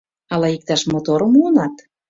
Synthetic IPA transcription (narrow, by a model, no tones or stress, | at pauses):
ɑlɑik̚t̪ɑʃmot̪oɾə̆muonɑt̪